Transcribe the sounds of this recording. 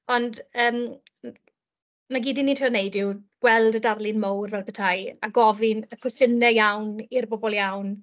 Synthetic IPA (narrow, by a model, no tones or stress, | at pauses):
ɔndəːm | maɡiːdiniːntʰriɔnejdɪwɡ̥wɛlˠdədarlˠɪnmowrvɛbətʰajaɡɔvɪnəkʰwʊsənɛjawnirbobɔlˠjawn